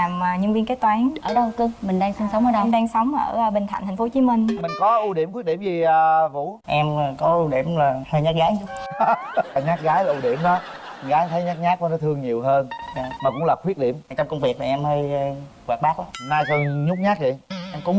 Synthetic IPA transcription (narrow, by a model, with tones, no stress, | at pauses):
aː˨˩maː˨˩ɲɨ˧ŋvi˧ənke˦˥t̪̚waː˨˦nʔəː˧˩ɗɔ˧˨˩kɨ˧mï˨˩ŋ̟ɗaː˧ŋsɨ˧ŋsə˧˨˦wŋ͡mʔəː˧˦ə˧˨ŋɗaː˧ŋsə˨˦wŋ͡mʔəː˧˩˧ɓï˨˩ŋt̪ʰa̰˧˨nt̪ʰŋ̟fo˨˧˦t͡ɕi˨˦mï˧ŋ̟mï˨˩ŋ̟kɔ˨˦ʔu˧ɗi˧˩əmkwi˦˥t̚ɗḭ˧˩əmzi˨˩əː˨vṵ˧˥ʔɛ˧mː˨˩kɔ˨˦ʔu˧ɗḭ˧˩əmlaː˨˩həː˧ɲaː˦˥k̚ɣaː˨˦jɲʊ˦˥k͡p̚ː | ɲaː˦˥t̚ɣaː˨˦jlaː˨˩ʔu˧ɗi˧˩˨əmɗɔ˨˦˨ | ɣaː˨˦jt̪ʰə˨˦jɲaː˦˥k̚ɲaː˦˥k̚kɔ˧˦nɔ˨˦t̪ʰɨ˧əŋɲi˨˩əwɦəː˧nza˧˩maː˨˩kʊ̰˧˥ŋ͡mlaː˨˩kwi˦˥ət̚ɗḭ˧˩əm˩t͡ɕɔ˧wŋ͡mkə˧wŋ͡mvi˨˩ək̚maː˨˩˨ʔɛ˧mhəː˧jkwaː˨˩k̚ɓaː˦˥k̚aː˨˦naː˧jt̪ʰɨ˧əŋɲʊ˦˥k͡p̚ɲaː˦˥k̚zi˨˩ʔɛ˧mkʊ̰˧˥ŋ͡m